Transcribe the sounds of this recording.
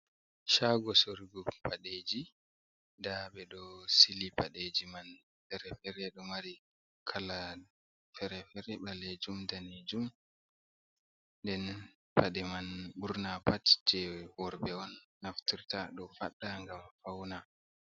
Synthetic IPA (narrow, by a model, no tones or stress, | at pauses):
ʃaɡɔsoɾɡɔpʰaɗed͡ʒi | daɓɛɗɔsilipaɗed͡ʒiman | fɛɾɛfɛɾɛɗɔmaɾi | kʰala | fɛɾɛfɛɾɛɓaled͡ʒumdaned͡ʒum | ndɛn | paɗɛmanɓuɾnapatd͡ʒɛwɔɾbɛɔnː | aftiɾtaɗɔfa̰ɗːaŋɡamfawna